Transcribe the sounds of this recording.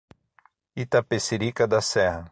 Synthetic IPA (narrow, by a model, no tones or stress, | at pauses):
it̪apeseɾikɐd̪ɐsɛhɐ